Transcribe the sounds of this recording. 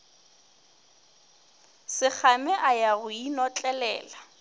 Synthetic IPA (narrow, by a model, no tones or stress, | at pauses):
sɪk͡xʰamɛʔajaɣʊinɔt͡ɬʼɛlɛ̰ːla